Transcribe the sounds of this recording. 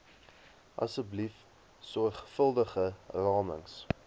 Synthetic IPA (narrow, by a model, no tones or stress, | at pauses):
ʔɐ̰səblif | sɔrχfəlˠdəχərɑːmə̰ŋs